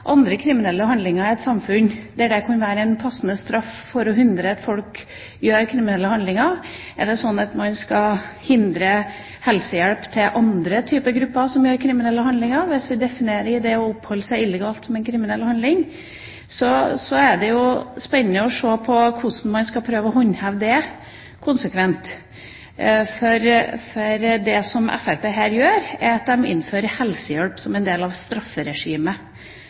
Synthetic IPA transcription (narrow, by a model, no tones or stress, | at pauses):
ʔɑnd̪ɾəkʰɾɪmɪnɛlːəhɑnd̪lɪŋəɾɪɛt̪sɑmfʉnd̪ɛæɖɛkʰɑnʋæːɾəɛɪnpʰɑsnəst̪ɾɑf | fɔɾɔɦʉnd̪ɾəɑt̪fɔlk | jøːɾkʰɾɪmɪnɛlːəhɑnd̪lɪŋɑɾ | ɛɖɛsɔnːɑt̪mɑnskɑhɪnd̪ɾə | hɛlsəjæɽpt̪ʰɪlʔɑnd̪ɾət̪ʰyːpəɡɾʉpːəɾsɔmjøːɾkʰɾɪmɪnɛlːəhɑnlɪŋɑɾʋɪsʋɪd̪ɛfɪneːɾəɾɪd̪ɛɔɔphɔlːəsæɪɪlːəɡɑːlt̪sɔmɛnkʰɾɪmɪnɛlːhɑnd̪ɪŋ | sɔsɔæɖɛjʊspɛnːnəɔʂoːpʰɔkʰʊsn̩mɑnskɑlpʰɾøːʋəɔɦɔɲːhæʋd̪ɛ | kʰʊnsəkʰʋɛnt̪ | fɔɾfɔɾd̪ɛsɔmʔɛ̰fæɾpeːɦæːɾjøːɾɛɾɑt̪̚d̪ɛmɪ̰nːføːɾəhɛlsəjɛɽpsɔmɛnd̪eːlɑʋst̪ɾɑfːəɾɛʂiːmə